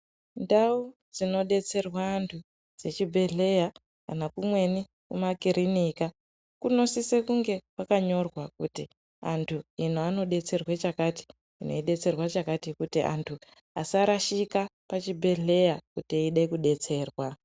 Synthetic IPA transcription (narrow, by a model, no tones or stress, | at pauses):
ndau | d͡zino̞ɗe̞t͡se̞rwaːntʰu | d͡ze̞t͡ʃibʱe̞ɮe̞ja | kanakumwe̞ni | kumakiɾʔinika | kuno̞sisekuŋɡe̞wakaɲo̞rwakuti | a̰ntʰuinuano̞ɗe̞t͡se̞rwet͡ʃakati̥ | ino̞̰iɗe̞t͡se̞rwat͡ʃakatikutiʔa̰ntʰu | a̰saɾaʃikapat͡ʃibʱe̞ɮe̞jakutiaiɗaikuɗe̞t͡se̞ːrwa